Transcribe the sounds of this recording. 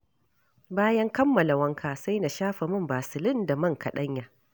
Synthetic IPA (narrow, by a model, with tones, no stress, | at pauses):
baː˦jɐ˦ŋkɐ˦mːɐ˨la˨wɐ˦ŋkʰaː˨sa˦jna˨ʃaː˦ɸa˨mʊ˦˨mbaː˨sɪ˨lɪ˦nda˨mɐ˦˨ŋkɐ˨ɗɐ˦ɲjaː˨